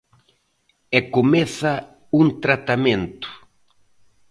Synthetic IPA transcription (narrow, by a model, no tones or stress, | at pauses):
ekomɛθɐ | unt̪ɾat̪amẽnt̪ʊ̥